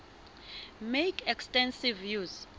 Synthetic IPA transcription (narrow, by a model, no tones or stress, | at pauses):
mekʰɛkstɛ̃nsivjuz̥